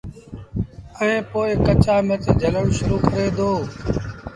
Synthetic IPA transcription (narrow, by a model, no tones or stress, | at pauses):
əẽːpoːɪkət͡ʃaːmət̪eːd͡ʒələɽũːʃʊɾuːkəɾeːd̪oː